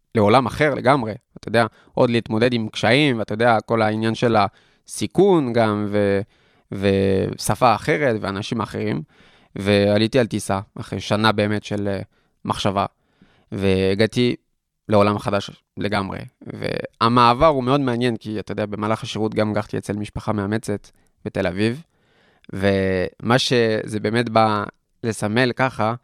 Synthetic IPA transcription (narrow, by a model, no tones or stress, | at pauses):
le̞o̞lamaχe̞ʁle̞̰ɡamʁe̞at̪ajod̪e̞a | ʔo̞d̪liːt̪mo̞d̪e̞dimkʃaimveat̪ajodeako̞lainjanʃe̞la | sikunɡamve | vesafaːχe̞ʁe̞tveanaʃimaχe̞ʁim | ve̞alitialt̪isaʔaχʁḛjʃanabe̞ːme̞tʃel | mʔaχʃava̰ | ve̞ːɡati | leo̞lamχadaʃ | leɡamʁḛvḛamaːvaʁumeo̞dmeanje̞nkiat̪ajodeabe̞maːlaχaʃeʁutɡamɡaχt̪iet͡selmiʃpaχameame̞t͡se̞t | b̥ete̞laviv | ve̞maʃe̞zebeːme̞tba | le̞same̞lkaχa